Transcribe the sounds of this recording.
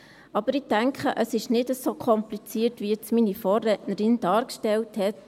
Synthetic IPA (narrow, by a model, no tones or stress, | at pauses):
ɑb̥əɾɪtæŋkχəʔəsɪʃnɪdəsoːkʰɔmplit͡siːəɾtʋiɪt͡sminifɔːrɛtnəɾɪnd̥ɑːɾkʃtɛlthɛt